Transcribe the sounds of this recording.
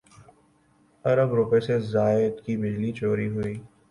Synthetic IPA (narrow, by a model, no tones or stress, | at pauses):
ɐɾəbɾʊpesezaːɪd̪kibɪd͡ʒlit͡ʃoːɾiɦʊiː